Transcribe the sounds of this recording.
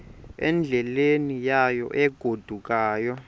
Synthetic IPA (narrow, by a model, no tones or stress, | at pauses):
ɛ̰nd͡ɮʱɛlenijajɔ̰ʔɛɡ̥ʱod̥ʱuk̬ʼaːjɔ